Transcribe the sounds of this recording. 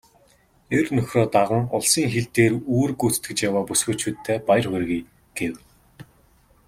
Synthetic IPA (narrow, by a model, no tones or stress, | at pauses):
ernɵxʲrɔːt̪aʁə̆ŋʊɮsiːŋxeɮt̪eːruːrɡut͡s̪t̪ɡɘ̆kt͡ɕjawaːpusɡɵːt͡ɕʰuːt̪ʰːeːpajrχerɣiː | ɡ̥ew